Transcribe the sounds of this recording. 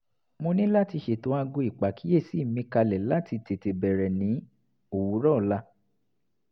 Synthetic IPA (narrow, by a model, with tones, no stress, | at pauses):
mo˧nĩ˦la˦ti˧ʃe˨tõ˨˦a˧ɡõ˧i˨k͡pa˨kʰi˨˦e˦˨si˨˦˨mĩ˧˦ka˧lɛ˨la˦ti˧te˨te˨bɛ˨ɾɛ˨nĩ˨˦ | o˨wu˨˦ɾɔ˦˨la˧